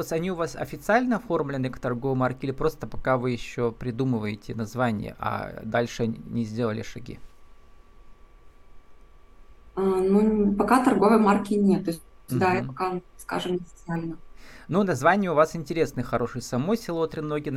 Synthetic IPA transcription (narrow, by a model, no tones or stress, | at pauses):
ot̪sɐnʲiʊvasɐ̰fʲɪt̪sɨalʲnəɐfo̞rmlʲɪnɨkt̪ɐrɡovəjmarkʲilʲɪpɾo̞st̪əpɐ̥kavɨjɪɕːo̞pɾʲɪd̪umɨvəjɪtʲɪnɐzvanʲɪ̰jə̰ʔɐ̰d̪alʲʂɨnʲɪzʲdʲe̞lˠəlʲɪ̰ʂɐɡʲḭ | anupɐkat̪ɐrɡovəjmarkʲɪnʲet̪ːo | d̪aɪpɐkaska̰ʐɨmɐfʲɪt̪sɨalʲnənunɐzvanʲɪjəʊvasɪnʲtʲɪɾʲe̞snɨjxɐɾo̞ʂɨjsɐmo̞jsʲɪlˠot̪ɾʲɪmnoɡʲɪn